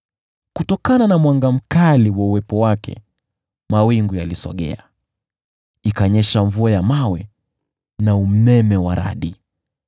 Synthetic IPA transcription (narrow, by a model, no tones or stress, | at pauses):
kutɔkananamwaŋɡam̩kaliwauwɛpɔwakʰɛ̰ | mawiŋɡujalisɔ̰ɠɛ̰a | ikaɲɛʃaɱvuajamawɛ | naumɛmɛwaɾa̰ɗi